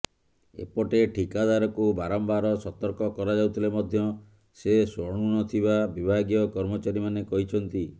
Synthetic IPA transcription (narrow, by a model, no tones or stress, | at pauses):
ḛpɔʈeʈʰikad̪aɾɔkubaɾɔmbaɾɔsɔt̪ɔɾkɔkɔɾad͡ʒawt̪ʰilemɔd̪ʱjɔ | sesɔɽ̃unɔt̪ʰibabibʱaɡijɔkɔɾmɔt͡ʃaɾimanekɔɦit͡ʃʰɔnt̪i